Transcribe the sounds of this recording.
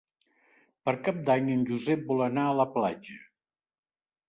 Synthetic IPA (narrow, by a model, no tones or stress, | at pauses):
pəɾkap̚d̪aɲənʲʒuzɛp̚bɔlənaələplad͡ʒə